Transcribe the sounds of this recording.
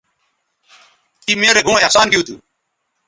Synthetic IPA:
iːmeːɾeːɡʱũːesaːnkiuːt̪ʰṵː

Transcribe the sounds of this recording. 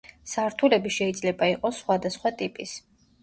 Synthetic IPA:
saɾt̪ʰulɛbiʃɛid̪zlɛbaiqʼɔsːχwad̪asχwat̪ʼipʼis

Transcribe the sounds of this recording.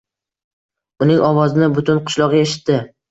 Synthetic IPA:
ʊnɪŋɒwɒzɪnɪbʊt̪ʰʊnqʰʊ̥ʃlˠɒʁɨjeʃɪ̥t̪ːɪ

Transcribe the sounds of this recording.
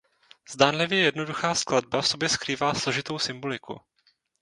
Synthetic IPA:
z̥daːnlɪvjɛjɛdno̞duxaːsklad̚bafso̞bjɛskɾiːvaːslo̞ʒɪt̪o̞wsɪmbo̞lɪkṵ

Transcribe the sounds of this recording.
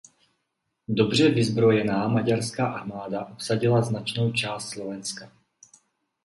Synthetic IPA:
dobr̝ɛvɪzbɾo̞jɛnaːmaɟaɾskaːʔaɾmaːdaʔopsaɟɪlaznat͡ʃno̞wt͡ʃaːst̪slovɛnska

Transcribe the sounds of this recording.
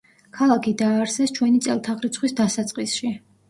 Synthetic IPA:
kʰalˠakʰid̪aːɾsɛst͡ʃʰwɛnit̪sʼɛ̰lˠt̪ʰaʁɾit̪sʰχwisd̪asat̪sʼqʼisʃi

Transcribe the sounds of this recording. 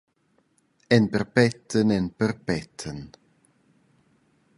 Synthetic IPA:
ɛnbɛrbɛtʰənɛnbərbɛtʰən

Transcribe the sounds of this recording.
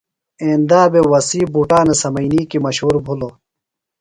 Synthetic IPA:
ẽːnd̪aːbewɐsiːbuʈaːnesɐmɐjniːkimɐɕɦuːɾbʱulo

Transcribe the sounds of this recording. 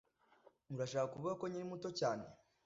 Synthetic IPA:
muɾaʃaːkakuβuɡakoɲiɾimuto̞caːne̞̰

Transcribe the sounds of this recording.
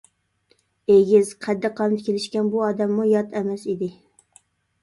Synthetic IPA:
eɡʲɪzqʰæd̪ːɪqʰːɑmd̪ɪkʲelɪʃkʲɛnbuɑd̪ɛmːujɑt̪ʰɛmɛsid̪ɪ

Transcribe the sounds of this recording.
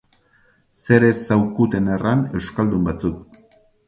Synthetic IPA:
se̞ɾe̞sawkut̪e̞nerane̞wskald̪umbat͡suk̚

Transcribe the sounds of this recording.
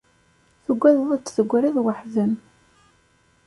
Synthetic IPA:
θəɡʷːæððˤət͡sːθəɡʷːɾiðwəħzən

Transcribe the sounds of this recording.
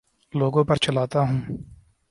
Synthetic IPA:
loːɡõːpɐɾt͡ʃɐlaːt̪aɦũː

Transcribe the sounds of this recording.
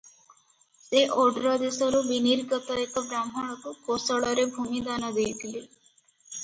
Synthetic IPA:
seʔɔɖɾɔd̪esɔɾubiniɾɡət̪ɔek̪ɔbɾamɦɔɽ̃ɔkukosɔɭɔɾebʱumid̪anɔd̪ejt̪ʰile

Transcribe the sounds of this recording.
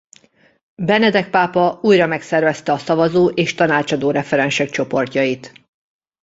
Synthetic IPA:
bɛnɛd̪ɛk̚paːpɒuːjrɒmɛksɛrvɛst̪ɛɒsɒvɒzoːʔeːʃt̪ɒnaːt͡ʃɒd̪oːɾɛfɛɾɛnʃɛk̚t͡ʃo̞po̞rcɒjit̪

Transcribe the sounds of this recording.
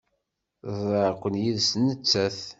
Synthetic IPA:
ðˤəɾkʷːənjiðsnət͡sːæθ

